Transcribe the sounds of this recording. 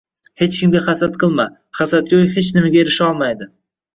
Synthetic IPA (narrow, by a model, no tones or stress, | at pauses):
he̞t͡ʃkʲʰɪmɡʲaχasat̪̚qʰɨlˠma | χasat̪̚ɡʲojhet͡ʃnɪmɪɡʲaeɾɪʃɒlˠmajd̪ɪ